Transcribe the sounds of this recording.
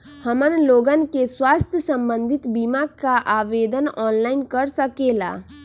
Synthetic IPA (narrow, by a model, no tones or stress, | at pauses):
həmənloːɡənkeswaːst̪ʰjəsə̃mbə̃nd̪ʱɪt̪bimaːkkaʔaːʋeːd̪ənɔːnlaːɪnkəɾsəkeːla̰ː